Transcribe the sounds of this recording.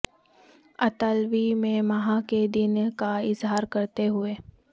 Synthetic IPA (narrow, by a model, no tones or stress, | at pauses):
ɐt̪əlʋimẽmɐɦãked̪ɪnkaɪzɦaːɾkɐɾt̪eɦʊeː